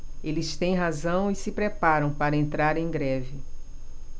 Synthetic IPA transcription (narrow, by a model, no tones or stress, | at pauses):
elɪst̪ẽj̃ɦazɐ̃w̃isɪpɾepaɾɐ̃w̃paɾɐẽnt̪ɾaɾẽj̃ɡɾɛvɪ